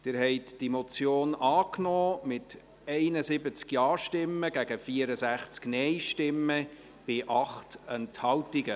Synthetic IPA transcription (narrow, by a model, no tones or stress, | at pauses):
d̪̥ɪɾhɛɪtd̥imot͡sjoːnɑːknɔːmɪt | ɛɪnəsɪbət͡skjɑːʃtɪmːəɡæɡəfiəɾəzæχt͡sknɛɪjʃtɪmːə | b̥ɪʔɑχtɛnthɑwtiɡə